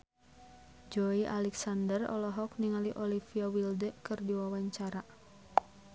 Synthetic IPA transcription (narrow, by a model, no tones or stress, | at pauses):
d͡ʒoiʔa̰lɛksandərɔ̰lɔɦɔk̚niŋaliʔɔlifiawildəkɨrdiwawaɲt͡ʃaɾa